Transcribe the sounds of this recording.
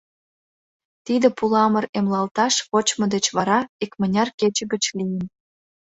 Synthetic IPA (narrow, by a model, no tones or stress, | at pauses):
t̪id̪ə̆pulɑməremlɑlt̪ɑʃβot͡ɕmŏd̪et͡ɕβɑɾɑikmə̆nʲɑrket͡ɕə̆ɡə̆t͡ɕlijən